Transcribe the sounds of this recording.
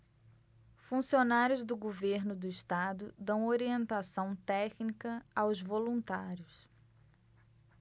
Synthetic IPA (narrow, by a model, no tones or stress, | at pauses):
fũsionaɾjʊzd̪ʊɡoveɾnʊd̪ʊɪst̪ad̪ʊd̪ɐ̃w̃oɾiẽnt̪asɐ̃w̃t̪ɛknikɐawzvolũnt̪aɾjʊs